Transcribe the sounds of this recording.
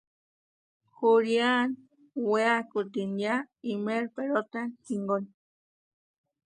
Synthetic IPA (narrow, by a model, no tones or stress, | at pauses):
xuɾjan | weakut̪injaimeɾpeɾot̪anhiŋɡoni